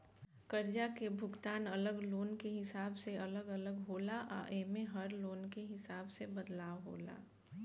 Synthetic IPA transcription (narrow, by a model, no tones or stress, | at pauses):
kəɾd͡ʒakebʱʊɡt̪aːnɐləɡloːnkeɦɪsaːbseɐləɡələɡɦoːlaʔa̰ːʔemẽɦɐɾloːnkeɦɪsaːbsebəd̪laːʋɦo̰ːla̰ː